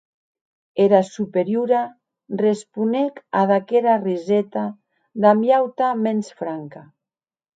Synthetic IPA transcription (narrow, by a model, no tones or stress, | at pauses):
eɾasupeɾjuɾa | respunekaðakeɾarizɛt̪a | d̪amjawt̪amensfɾaŋka